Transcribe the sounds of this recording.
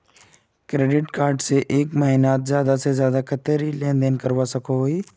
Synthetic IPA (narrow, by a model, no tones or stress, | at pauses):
kɾeːɖɪʈkaːɾɖseʔeːkmaːɦinaːt̪zjaːd̪asezjaːd̪akʰət̪eɾilẽːnd̪enkɐɾʋasɐkʰoɦoːiː